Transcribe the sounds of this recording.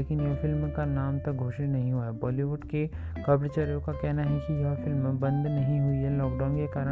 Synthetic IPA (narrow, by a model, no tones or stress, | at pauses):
eːkɪnjɐfɪlmkanaːmt̪ɐk̚ɡʱoːʃinɐɦĩɦuːaɛbɔːliʋʊɖke | kɐːbɾt͡ʃɐɾjõkakɛɦnaɦɛkijɐɦfɪlmːẽbɐ̃nd̪nɐɦĩɦuiɦɛlɔːk̚ɖaːʊ̃nkekaːɾə